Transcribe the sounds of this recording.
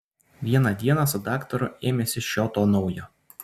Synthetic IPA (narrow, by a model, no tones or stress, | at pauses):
ʋʲiɛnɑd̪ʲiɛnɑsʊd̪ɑːkt̪ɔɾʊeːmʲɛsʲɪʃʲoːt̪oːnɒʊjoː